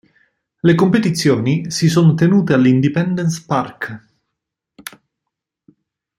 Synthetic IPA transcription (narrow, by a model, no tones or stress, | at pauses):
lekompet̪it̪sːjoːnisisoːnot̪enuːt̪ealːind̪ipɛnd̪ɛnspark